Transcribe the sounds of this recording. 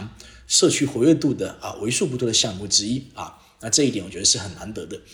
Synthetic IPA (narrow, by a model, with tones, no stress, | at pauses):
ŋʂɤ˥˩t͡ɕʰy˥xwɔ˧˥ɥɛ˥˧t̪̬u˥˩d̪ə˩ɐ̰˨˩we˧˥ɪʂu˥˩p̬u˥˩t̪ʰwɔ˥d̪ə˧ɕjɑ˥˧ŋmu˥˩ʈ͡ʂɻ̩˥i˥ɐ̰˨˩ | na˥˧ʈ͡ʂɤ˥˧i˩t̪jɛ˨˦nwɔ˨˩t͡ɕɥɛ˧˥d̪ə˧ʂɻ̩˥˩xə˨˩na˧˥nt̪ɤ˧˥d̪ə˧